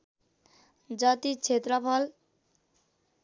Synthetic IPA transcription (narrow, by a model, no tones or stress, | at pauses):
d͡ʒat̪it͡ʃʰet̪ɾʌpʰʌl